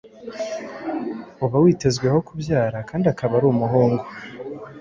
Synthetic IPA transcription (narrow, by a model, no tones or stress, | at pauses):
uβawiːte̞zɡwe̞ho̞kubjaːɾakaːndiakaβaɾuːmuɦoːŋɡo